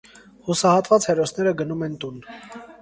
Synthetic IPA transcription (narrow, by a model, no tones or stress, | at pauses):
husɑhɑt̪vɑt͡shɛrɔsnɛɾəɡənumɛnt̪un